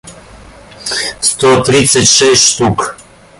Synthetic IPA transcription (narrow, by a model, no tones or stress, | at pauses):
st̪ɔt̪ɾit̪sɛt̪ʲʃɛsʃt̪uk